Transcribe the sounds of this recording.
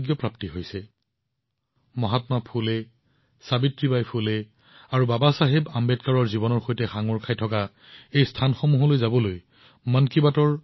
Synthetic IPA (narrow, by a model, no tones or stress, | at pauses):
ɡjɔpɹaptiɦojsɛ | mɔɦatmapʰule | sabitɹibajpʰule | aɹubabasaɦebambɛt̚kaɹɔɹzibɔnɔɹxojtɛxaŋɔɹkʰajtʰɔka | ejstʰanxɔmuɦɔlojzabɔloj | mankibatɔɹ